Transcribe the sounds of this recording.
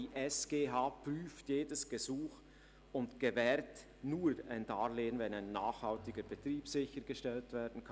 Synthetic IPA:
iʔɛsɡ̥eːɦaːpryːftjeːdəsɡ̥əzuːx | ʊntɡ̥evɛːɾt | nuːɾa̰ɪndaːɾleːənvɛnaɪnːaːχhɑltɪɡəɾbətriːpsɪçəɾɡ̥əʃtɛltv̥ɛːɾdn̩kʰɑn

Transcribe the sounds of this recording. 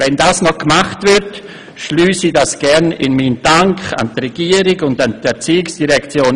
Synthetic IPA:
vɛndaːsnɔkmaχtvɪɾt | ʃlyːsidasɡ̥ɛɾnɪ̰nmiːnd̥aŋkχa̰ntrɛɡ̥iːəɾiɡʊndantɛt͡siːɪksd̥iʁɛkt͡sjoːn

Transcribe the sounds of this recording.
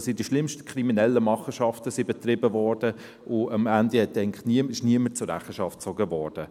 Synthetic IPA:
sidiʃlɪmʃtə̥kʰriminɛlːəmɑχəʃɑftəsibɛtrɪbəvɔɾd̥ə | ʔʊɑmændihɛtːɛɪŋnniəmɪʃniəmət͡sʊɾæχəʃɑftt͡sɔɡəvɔːɾd̥ə

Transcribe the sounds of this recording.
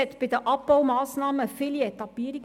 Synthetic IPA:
ɛtb̥idəʔɑpːɑwmɑːsnɑːməfilietɑbiəɾi

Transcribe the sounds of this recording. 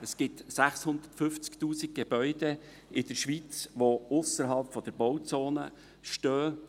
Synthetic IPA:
əsɡ̥ɪtsæχshʊnd̪ətfʏft͡skt̪uːsik̚ɡ̥eb̥œʏd̥ɛ | ɪd̥əɾʃʋit͡sʋoʊsəɾɦɑlpfɔd̥̪əɾbɔwt͡soːnə̰ | ʃtøː

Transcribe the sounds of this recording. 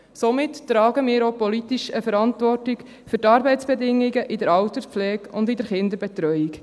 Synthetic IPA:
somɪttːɾɑːɡəmɪːɾopɔlit̪iʃəfəɾɑntʋɔrtik | fʏɾtɑːɾbɛɪtt͡sb̥ɛdɪŋːiɡəʔɪdəɾɑwt̪əflɛːkʊnd̪ɪdəɾχɪnd̪əɾbɛt̪ɾœʏik

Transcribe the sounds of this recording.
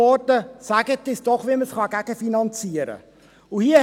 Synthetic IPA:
ɔrtəsæɡətːɪsd̥ɔχʋiməsχɑɡæɡ̥əfinɑnt͡siəɾə̰ | uhiə

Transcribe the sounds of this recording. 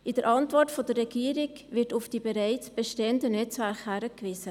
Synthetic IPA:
ʔɪdəɾʔɑntvɔtfodərɛɡiːɾɪk | vɪtʊfd̥ibeɾaɪt͡sb̥eʃteəndənɛt͡svæɾχhæɾəkvɪzə

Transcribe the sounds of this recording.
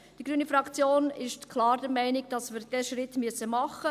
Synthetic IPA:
d̥iɡɾyːnifɾɑkt͡sjoːnɪʃtkʰlɑːɾdɛɾmɛɪnɪɡ̚d̥ɑsviːɾd̥ɛːʃʁɪtmyəsəmɑχə

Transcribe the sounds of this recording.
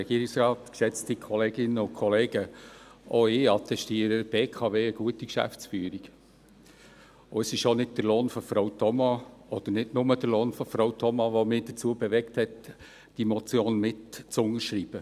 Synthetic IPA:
ɛɡiəɾiksɾɑːtksɛt͡stikʰɔleːɡɪnəʊkʰɔleːɡəʔoɪːɑt̪ɛʃtiːəɾəb̥eːkʰɑveːəɡ̥uətikʃæ̰ft͡sfyːɾiɡ̥ | ʊəsɪʃonɪd̚d̥əɾloːnfɔfɾoʊtʰɔmɑɔd̪̥əɾnɪdnʊməd̥əɾloːnfɔfɾowtʰɔmɑʋomɪːd̥ət͡suəbɛʋɛkthɛt | d̥imɔt͡sjoːnmɪtt͡sʊŋəɾʃɾiːb̥ə

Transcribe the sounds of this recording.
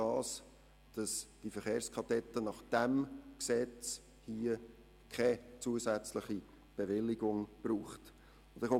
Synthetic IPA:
ɑːs | d̥ɑsd̥ifəɾχeːɾskʰɑtɛt̪ːənɑχd̥ɛmksɛt͡s | hiːə | kʰɛt͡suəsæt͡sləχi | b̥eʋɪliɡʊŋb̥ruːχt | d̪əχo

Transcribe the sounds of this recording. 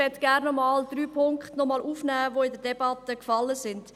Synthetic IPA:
ɛtɡ̥æɾnːɔmɑːldryːpʰʊŋkχtnɔmɑlʔuːfnæːvoːɪdəɾdɛbɑtəkfɑləsɪnd

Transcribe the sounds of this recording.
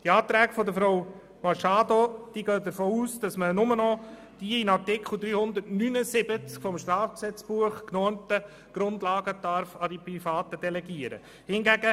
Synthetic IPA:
d̥iɑːt̪ɾɛːɡfɔdəfɾow | mɑʃɑːdod̥iːɡœːdəɾfoːuːsd̥ɑsmənʊmənɔ | d̥iinɑɾtɪkʰl̩ˠd̪ɾyːhʊnd̪ətnynəsɪbət͡skfɔmʃtɾɑːfksɛt͡sb̥uəχknɔntə | ɡ̥ɾʊndlɑːɡ̥əd̥ɑɾfɑdipɾifɑːtədɛlɛɡiəɾə̰ | hɪnɡæɡə

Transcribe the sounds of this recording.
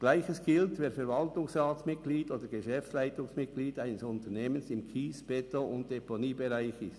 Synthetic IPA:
ɡ̥laɪçəsɡ̥ɪltveːɾfɛɾvɑltʊŋsʁaːsmɪt̚ɡ̥liːtoːdəɡeʃɛfslaɪtʊŋsmɪt̚ɡ̥liːtaɪnəsʊntəneːmənsɪmkʰiːsb̥ɛtoʊnt̚d̥eponiːbeʁaɪçɪst

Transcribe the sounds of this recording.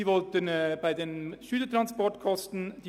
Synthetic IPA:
iːvɔltənbaɪdeːnʃyːlətʁɑnspɔɹtkʰɔstn̩d̥iː

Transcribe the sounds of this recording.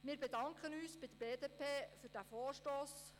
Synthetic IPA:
mɪːɾbedɑŋkʰənyːsb̥ɪd̥əbeːdepʰeːfyɾd̥æːfɔːʃtoːs

